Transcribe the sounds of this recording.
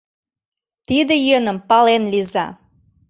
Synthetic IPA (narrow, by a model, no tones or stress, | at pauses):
t̪id̪ejønə̆mpɑlenlizɑ̰